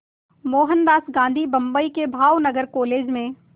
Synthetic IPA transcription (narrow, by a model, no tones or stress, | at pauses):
moːɦənd̪aːsɡãːnd̪ʱibɐ̃mbəikebʱaːwnəɡəɾkoːleːd͡ʒmẽ